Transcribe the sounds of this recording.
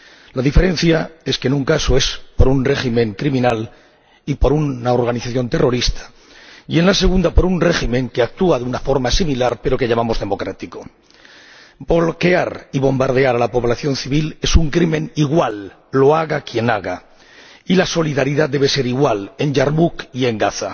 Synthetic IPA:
laðife̞ɾenθjae̞skenũŋkasoe̞spo̞ɾunre̞ximẽ̞ŋkɾimĩnal | ipo̞ɾunao̞ɾɣaniθaθjo̞nt̪ero̞ɾist̪ḁ | je̞nlase̞ɣũnd̪apo̞ɾunre̞ximẽ̞ŋkeak̚t̪uaðeunafo̞ɾmasimilaɾpe̞ɾo̞ke̞ʎamamo̞zðe̞mo̞kɾat̪iko̞ | bo̞lke̞aɾiβo̞mbaɾð̞e̞aɾalapo̞βlaθjo̞nθiβ̞ile̞suŋkɾimẽ̞niɣwalː | o̞aɣakje̞naɣa | ilaso̞liðaɾiðad̪e̞β̞ese̞ɾiɣwale̞nʝaɾmukie̞ŋɡaθa

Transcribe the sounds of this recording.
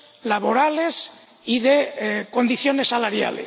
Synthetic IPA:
laβo̞ɾales | iðeko̞nd̪iθjo̞ne̞sːalaɾja̰lḛs

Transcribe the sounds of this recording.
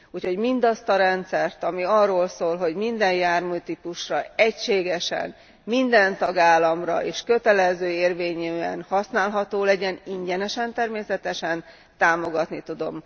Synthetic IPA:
uːcho̞ɟmind̪ɒst̪ɒɾɛnt̪sɛrt̪ɒmiɒrːoːlsoːlɦo̞ɟmind̪ɛnjaːrmyːt̪ipuʃrɒɛcʃeːɡɛʃɛ̰n | mind̪ɛnt̪ɒɡaːlːɒmrɒ̰eːʃkø̞t̪ɛlɛzøːeːrveːɲeɛ̰nhɒsnaːlɦɒt̪oːlɛɟɛniɲɟɛnɛʃɛnt̪ɛrmeːsɛt̪ɛʃɛn | t̪aːmo̞ɡɒt̪nit̪ud̪o̞̰m

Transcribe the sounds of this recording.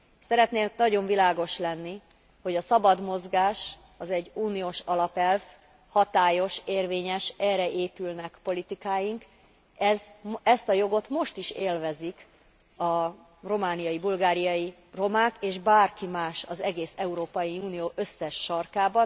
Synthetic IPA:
sɛɾɛt̪neːnɒɟo̞ɱvilaːɡo̞ʃlɛnːi | ho̞ɟɒsɒbɒd̪mo̞zɡaːʃ | ɒzɛɟːuːnijoːʃɒlɒpɛlv | hɒt̪aːjo̞ʃeːrveːɲɛʃɛːrɛʔeːpylnɛkpo̞lit̪ikaːjiŋk | ɛzɛst̪ɒjo̞ɡo̞t̪mo̞ʃt̪iʃeːlvɛzik | ɒ | ro̞maːnijɒjibulɡaːɾijɒji | ro̞maːkeːʒbaːrkimaːʃɒzɛɡeːsɛuɾoːpɒjiuːnijoːʔøsːɛʃːɒrkaːbɒ

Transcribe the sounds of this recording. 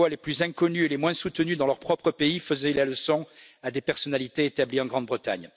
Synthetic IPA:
waleplyzɛ̃kɔnyelemwɛ̃sut̪ənyd̪ɑ̃lœʁpχɔpχəpeifəzɛlaləsɔ̃ad̪epɛʁsɔnalit̪eet̪abliɑ̃ɡʁɑ̃d̪bʁət̪a̰ɲ

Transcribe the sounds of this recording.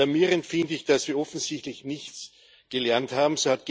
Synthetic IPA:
aɐmiːʁəntfɪndəɪçd̥asviːɐɔfn̩zɪçtlɪçnɪçt͡s | ɡ̥əlɛɐnthaːbm̩soːhat̚ɡ̥

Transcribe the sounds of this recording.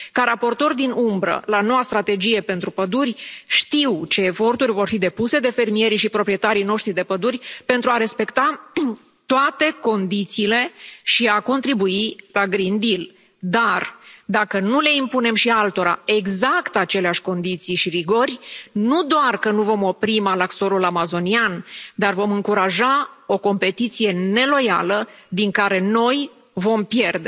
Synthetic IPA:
kaɾapo̞rt̪o̞rʲd̪inumbɾə̰lano̞wast̪ɾat̪e̞d͡ʒije̞pe̞nt̪ɾupəd̪urʲʃt̪iwt͡ʃe̞ːfo̞rt̪urʲvo̞rfid̪e̞puse̞d̪e̞fe̞rmije̞ɾiʃipɾo̞pɾije̞t̪aɾijno̞ʃt̪ɾid̪e̞pəd̪urʲpe̞nt̪ɾuaɾe̞spe̞kt̪a | t̪oat̪e̞ko̞nd̪it̪siːle̞ʃiako̞nt̪ɾibuilaɡɾind̪il | d̪ard̪akənule̞impune̞mʃialt̪o̞ɾa̰e̞ɡzakt̪at͡ʃe̞leaʃʲko̞nd̪it̪sijʃiɾiɡo̞rʲnud̪oarkənuvo̞mo̞pɾimalakso̞ɾulamazo̞niand̪arvo̞mɨŋkuɾaʒao̞ko̞mpe̞t̪it̪sije̞ne̞lo̞jalə | d̪iŋkaɾe̞no̞j | vo̞mpje̞rd̪e̞

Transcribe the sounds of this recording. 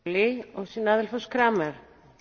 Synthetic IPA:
liɔɣsiːnaːðɪlfɔskɾaːmɛɾ̥

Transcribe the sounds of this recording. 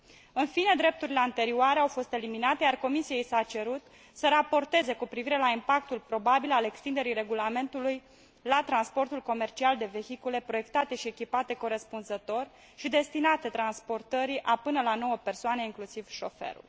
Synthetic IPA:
ɨnfine̞d̪ɾe̞p̚t̪uɾile̞ant̪e̞ɾioaɾe̞awfo̞st̪e̞liminat̪e̞jarko̞misiejisat͡ʃe̞ɾut̪ | səɾapo̞rt̪e̞ze̞kupɾiviɾe̞laimpak̚t̪ulpɾo̞babilale̞kst̪ind̪e̞ɾijɾe̞ɡulame̞nt̪uluj | lat̪ɾanspo̞rt̪ulko̞me̞rt͡ʃiald̪e̞ve̞çikule̞pɾo̞je̞kt̪at̪e̞ʃie̞kʲipat̪e̞ko̞ɾe̞spunzət̪o̞rʲ | ʃid̪e̞st̪inat̪e̞t̪ɾanspo̞rt̪əɾiʔapɨnəlano̞wəpe̞rsoaneiŋklusiv̥ʃo̞fe̞̰ɾṵl

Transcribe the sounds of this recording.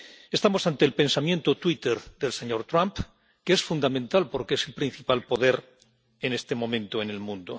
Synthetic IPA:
e̞st̪amo̞sant̪e̞ːlpe̞nsamjent̪ot̪wit̪eɾðe̞lse̞ɲo̞ɾt̪ɾamp | keesfund̪amẽnt̪alpo̞ɾkeese̞lpɾin̟θipalpo̞ðe̞ɾ | ene̞st̪e̞mõ̞mẽ̞nt̪oene̞lmũnd̪o

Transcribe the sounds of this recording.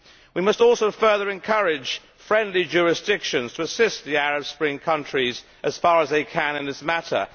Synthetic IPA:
wimʌstɔlˠsoʊfɜ˞ðə˞ɨ̃nkʰʌɹɪ̥ʒ̥ | fɹɛ̃ndˡlid͡ʒʊɹɨsd̥ɪkʃɨ̃nz̥tʰəəsɪst̪ðiæɹɨb̥spɹɪ̃ŋkʰʌ̃nt͡ʃɹ̥iz | ʔɨz̥fɑɹəzðeɪkʰɨ̃nɨ̃nðɪsmæɾə̰˞

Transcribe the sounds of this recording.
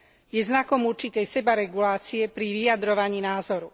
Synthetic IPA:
jɛznakɔmuɾt͡ʃit̪ɛjsɛbaɾɛɡulaːt͡siɛpɾiʋijad̪ɾɔʋaɲiːnaːzɔɾu

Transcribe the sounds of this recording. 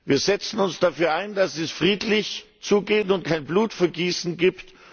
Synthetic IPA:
viːɐzɛt͡sn̩ʊnsd̥afyːɐaɪndasɛsfʁ̥iːtlɪç | t͡suːɡeːntʊnt̚kʰaɪnbluːtfɛɐɡiːsn̩ɡiːpt

